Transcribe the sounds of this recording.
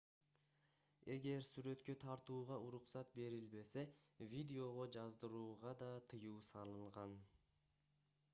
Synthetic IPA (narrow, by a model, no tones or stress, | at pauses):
e̞ɡe̞ɾsyɾø̞t̪kø̞t̪ʰɑɾt̪uːʁɑuɾuqsɑt̪̚be̞ɾilbe̞se̞vʲid̪ʲeo̞ʁo̞d͡ʒɑzd̪ɯɾuːʁɑd̪ɑt̪ʰɯjuːsɑlˠɯɴʁɑn